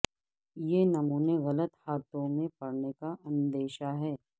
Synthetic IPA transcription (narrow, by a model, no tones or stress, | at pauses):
jenɐmuːneɣɐlət̪haːt̪õmẽpɐɽnekaʔɐ̃nd̪eːʃaɦɛː